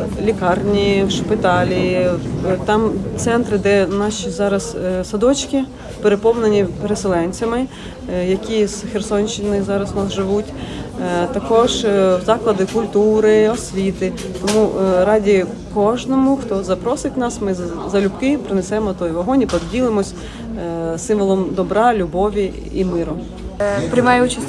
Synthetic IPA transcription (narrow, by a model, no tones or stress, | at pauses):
lʲikɑrnʲiwʃpɪt̪ɑlʲi | t̪ɑmt̪sɛnt̪ɾɪd̪ɛnɑʃʲizɑɾɐzsɐd̪ɔt͡ʃkʲi | peɾepɔwnenʲipeɾeselˠɛnʲt͡sʲɐmɪ | jɐkʲiz̥xersɔnʲt͡ʃt͡ʃɪnɪzɑɾɐsnɑsʒɪʋutʲ | t̪ɐkɔʒwzɑklˠɐd̪ɪkʊlʲt̪uɾɪɔsʲʋʲit̪ɪ | t̪ɔmuɾɑdʲi | kɔʒnɔmʊxt̪ɔzɐpɾɔsɪtʲnɑsmɪzɐlʲupkɪpɾɪnesɛmɔt̪ɔjʋɔɦɔnʲipɔd̪dʲilˠɪmɔsʲ | sɪmʋɔlˠɔmd̪ɔbɾɑlʲubɔʋʲi | imɪɾʊ | pɾʲɪmɑjɛut͡ʃɐsʲ